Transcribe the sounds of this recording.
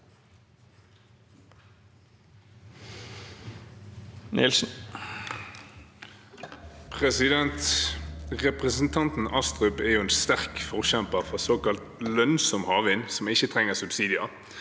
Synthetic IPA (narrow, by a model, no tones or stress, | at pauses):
nɪ̰lsn̩ | pʰʁɛsɪd̪ɛnt̪ | ʁɛpʁɛsn̩t̪ʰɑnt̪n̩ɑst̪ʁʉpæːʁjʉɛːnst̪æʁkfɔʁɕɛmpəʁfʁɑsoːkɑlt̪lœnsɔmhɑːʋɪnsɔmɪçət̪ʰʁɛŋəsʉbsiːd̪ɪɑ